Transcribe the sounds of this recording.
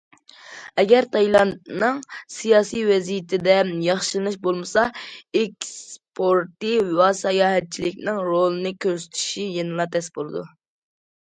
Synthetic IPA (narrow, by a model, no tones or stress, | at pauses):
ɛɡʲɛɾt̪ʰɑjlˠɑnt̪̚nɨŋsijɑːsijvɛzijɪt̪ʰɪd̪ɛjɑχʃɨlnɨʃbolˠmɨsɑɪkʲspʰoɾt̪ɨwɑsɑjɑːɦɛt̪̚t͡ʃʰilɪkʲnɪŋɾolˠɨnɨkʲʰøɾsy̥t̪ʰy̥ʃijenɨlˠɑt̪ʰɛsbolˠɨd̪u